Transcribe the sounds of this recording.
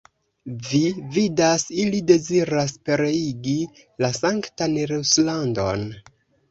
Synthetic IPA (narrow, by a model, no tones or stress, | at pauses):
vividasilide̞ziɾaspe̞ɾe̞iɡi | lasaŋktanɾeslando̞̰n